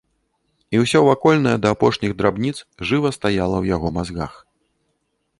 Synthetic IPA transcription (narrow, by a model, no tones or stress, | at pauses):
iwsʲɔvakɔlʲnɐjɛd̪ɐːpɔʂnʲiɣd̪ɾabnʲit̪sʐɨvɐst̪ajalˠɐwjaɣɔmazɣa̰x